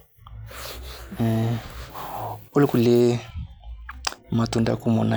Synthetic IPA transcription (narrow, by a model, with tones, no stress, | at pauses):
o˦lku˨le˦ | ma˨tu˨nda̰˦ku˦mɔ̰˨na˦